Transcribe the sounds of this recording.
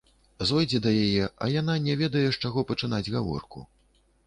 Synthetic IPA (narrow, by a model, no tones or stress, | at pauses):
zɔjd͡zʲɛd̪ɐjajɛʔɐ̰jananʲɛvʲɛd̪ɐjɛʂt͡ʂaɣɔpɐt͡ʂɨnad͡zʲɣavɔ̰rkṵ